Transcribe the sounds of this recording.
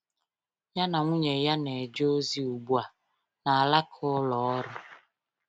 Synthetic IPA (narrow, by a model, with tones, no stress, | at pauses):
ja˦na˨ŋʷu˦ɲe˨ja˦ne˨d͡ʒo˦zi˦u˨ɡ͡bu˨a˨ | na˨a˨la˦kʰʊ˦lɔ˨˦ɾʊ˦